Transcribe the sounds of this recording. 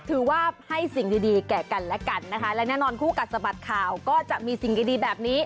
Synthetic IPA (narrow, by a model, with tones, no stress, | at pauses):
t̪ʰɯː˨˩˦waː˥˩ha˥˩jsi˨˩ŋdiː˧diː˧kɛː˨˩ka˧nlɛ˦˥ka˧nːa˦˥kʰa˦˥lɛː˦˥wnɛː˥˩˨nɔː˧nkʰuː˥˩ka˨˩t̪̚sa˧ba˨˩t̪̚kʰaː˨˩wkɔː˥˩t͡ɕa˨˩ʔmiː˧si˨˩ŋdiː˧diː˧bɛː˨˩p̚niː˦˥